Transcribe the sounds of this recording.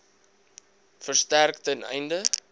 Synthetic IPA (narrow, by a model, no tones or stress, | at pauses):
fərstærktənɛ̰jndə